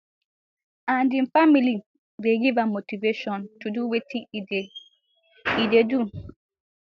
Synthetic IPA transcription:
ãndĩnfamili | beɡivamotiveʃɔ̃ntuduwetʰĩŋ | idedu

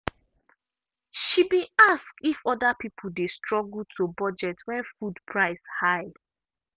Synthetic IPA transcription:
ʃibĩaskifɔdapipʰʊl̩destɹɔɡl̩tʰobɔd͡ʒɛtwɛ̃nfudpʰɹaɪshaɪd

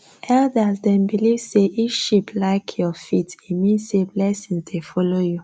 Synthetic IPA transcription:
ʔɛldasdɛ̃mbilivseʔifʃiplaɪkʰjɔfitimĩnsseblɛsĩŋzdefɔloju

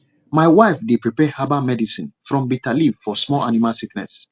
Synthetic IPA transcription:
maɪwaɪfdepɹipɛhabamɛdisḭ̃nfɹɔ̃mbitalivfɔsmɔlʔanimasiknɛ̰s

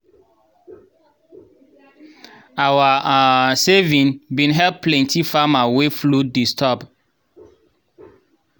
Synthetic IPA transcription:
awasevĩnbĩnɦɛlplɛ̃ntʰifamaweflodistʰɔb

